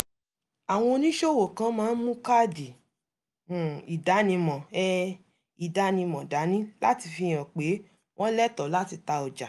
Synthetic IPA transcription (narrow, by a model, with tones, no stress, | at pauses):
a˨w̃ɔ̃˧o˧nĩ˦ʃo˦˨wo˨kã˧˦mãː˦˧n̩˦mũ˦ka˦˨dĩ˨ | i˨da˨˦nĩ˧mɔ̃˨ɛ˦˧ | i˨da˨˦nĩ˧mɔ̃˨da˨˦nĩ˦la˦ti˧fi˧j̃ã˨k͡pe˨˦ | w̃ʔɔ̃˦lɛ˦tɔ˨la˦ti˧ta˧ɔ˨d͡ʒa˨